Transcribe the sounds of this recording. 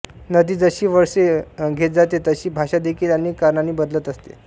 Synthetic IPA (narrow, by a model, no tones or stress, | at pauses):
nəd̪iːd͡zəɕiːʋəɾʂeɡʱet̪̚d͡zat̪et̪əɕiːbʱaɕad̪ekʰiːlaniːkːaɾɳaniːbəd̪lət̪əst̪ḛ